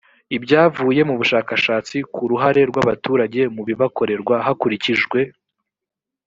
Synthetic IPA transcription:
ibɟaːvuːje̞muβuʃaːkaʃaːt͡sikʰuɾuɦaɾe̞ɾɡwaβatuːɾaɟe̞muβiβako̞ɾe̞ɾɡwaɦakuɾiciʒɡwe̞

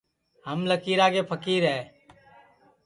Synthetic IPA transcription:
ɦəmləkiːɾaːɡeːpʰəkiːɾɦɛː

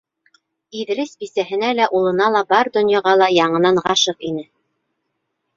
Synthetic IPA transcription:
iðɘ̆ɾɘsbisæɦɘ̆nælæʔulˠɤ̆nɑlˠɑbɑɾd̪ɵ̆njɑʁɑlˠɑjɑɴɤ̆nɑɴʁɑʃɤqinɘ

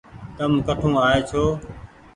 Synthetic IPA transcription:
k̪əmkəʈʰũːaːeːt͡ʃʰoː

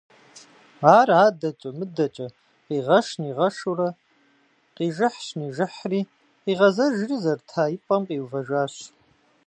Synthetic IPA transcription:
aːraːdɐt͡ʃʼɐmɨdɐt͡ʃʼɐ | qiːʁɐʃniːʁɐʂurɐ | qiːʒɨħɕniːʒɪħriː | qiːʁɐzɐʒrizɐrtʰaːjipʼɐmqʼiːwvɐʒʷaːɕ

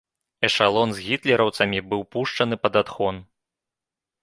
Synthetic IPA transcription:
ɛʂalˠɔnzɣʲit̪lʲɛɾɐwt̪sɐmʲibɨwpuʂt͡ʂɐnɨpɐd̪at̪xɔn

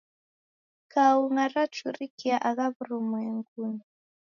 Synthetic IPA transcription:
kauŋaɾat͡ʃuɾikiaʔaɣaβuɾumwɛŋɡuni

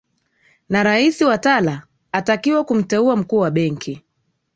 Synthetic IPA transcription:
naɾaisiwatalaː | takiwakum̩tɛuam̩kuːwaɓɛŋkʰi

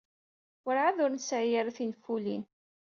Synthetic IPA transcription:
ʊɾʕaðʊɾnsʕjəɾθinfulin

